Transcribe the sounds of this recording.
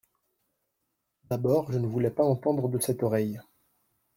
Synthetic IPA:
d̪abɔːʁʒənəvulɛpaɑ̃t̪ɑ̃d̪ʁəd̪əsɛt̪ɔʁɛj

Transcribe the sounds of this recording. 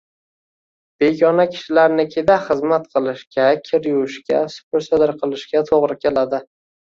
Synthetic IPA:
b̥e̞ɡʲɒnakʲʰɪ̥ʃɪlaɾnɪkʲʰed̪aχɨzmat̪qʰɨlˠɪʃkʲakʲʰɪɾjuwʃkʲasʊ̥pɪɾsɪd̪ɪɾqʰɨlˠɪʃkʲat̪ʰoʁɾɪkʲʰelad̪ɪ

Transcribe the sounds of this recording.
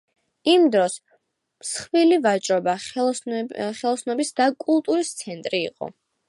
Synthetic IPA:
imd̪ɾɔs | msχvilivat͡ʃʼɾɔba | χɛlˠɔsnɔbisd̪akʼulˠt̪ʼuɾist̪sʰɛnt̪ʼɾḭːqʼɔ̰

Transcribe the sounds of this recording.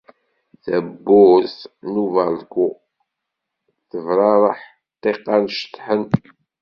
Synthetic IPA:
θæbːʊθnuvælɡu | θəvɾˤɑɾˤəħ | t̪ˤːeqːɑnʃə̥t̪ːħən

